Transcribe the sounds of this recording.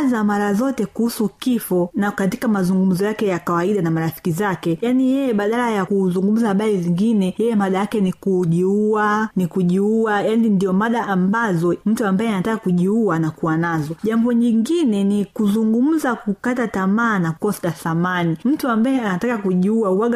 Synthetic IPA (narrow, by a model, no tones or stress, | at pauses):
zamaɾazɔtɛkuhusukifɔnakatikamazuŋɡum̩zɔjakɛjakawaiɗanamaɾafi̥kizakɛjanijɛjɛɓaɗalajakuzuŋɡum̩zahaɓaɾiziŋɡinɛjɛjɛmaɗajakɛnikuʄiuanikuʄiuajanindiɔmaɗaːmbazɔm̩tuambaɛanatakakuʄiuanakuwanazɔʄambɔɲiŋɡinɛnikuzuŋɡum̩zakukatatamaːnakɔstaθamanim̩tuambajɛanatakakuʄiuauwaɡa